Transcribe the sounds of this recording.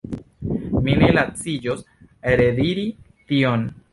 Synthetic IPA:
minelat͡sid͡ʒos | eɾed̪iɾi | t̪io̞n

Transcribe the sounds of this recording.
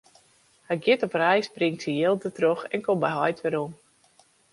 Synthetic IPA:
haɡjɪtɔprɛjsbrɪŋtsəjɪlˠtətroxɛnkɔmbɛjɦɔjtʋɛɾon

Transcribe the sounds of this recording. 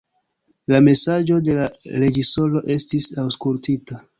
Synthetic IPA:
lame̞sad͡ʒo̞de̞laɾe̞d͡ʒiso̞lo̞ʔe̞stisawskultita

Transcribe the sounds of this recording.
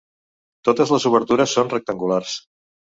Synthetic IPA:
t̪ot̪əzləzuβ̞əɾt̪uɾəsːonrək̚t̪əŋɡulars

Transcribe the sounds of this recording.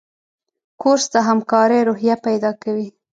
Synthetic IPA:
koɾst̪aɦamkɑɾeɾoɦjapajd̪ɑkawi

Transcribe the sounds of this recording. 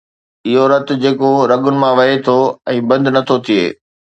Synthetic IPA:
ɪɦoɾɐt̪̆d͡ʑeːkoɾɐɠʊnɪ̆mãʋɐɦet̪ʰoɛ̃ːbɐ̃nd̪ʱnɐt̪ʰot̪ʰiḛː

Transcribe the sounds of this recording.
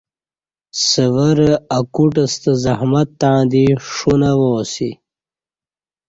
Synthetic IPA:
səvəɾəɐkuʈ̬əst̪əzɐhmat̪ːãːd̪iʂunawoːsi

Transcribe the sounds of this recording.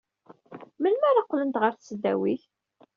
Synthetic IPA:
məlmæɾɑqːlənt̪ʁəɾθsəd̪ːæ̰wiθ

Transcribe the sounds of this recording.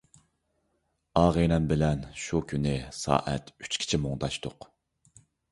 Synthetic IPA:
ɑːʁəɾɛmbɪlɛnʃukʲʰynɪsɑ̰ːʔɛ̰t̪yt͡ʃkʲʰi̥t͡ʃʰimoŋd̪ɑʃt̪oq

